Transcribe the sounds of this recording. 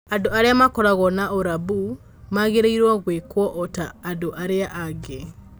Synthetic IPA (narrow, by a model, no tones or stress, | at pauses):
adoaɾeamakɔɾaɣɔnaoɾaβu | maɣeɾeiɾwɔɣwekwɔʔɔtaːdoʔaɾeaʔaɡe